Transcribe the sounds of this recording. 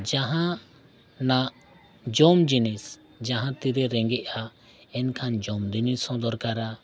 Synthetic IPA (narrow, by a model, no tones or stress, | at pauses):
d͡ʒaɦã | naʔ | d͡ʒɔmd͡ʒinis | d͡ʒaɦãt̪iɾɛɾɛŋɡɛʔa | ɛnkʰand͡ʒɔmd̪inisɔ̃d̪ɔɾkaɾa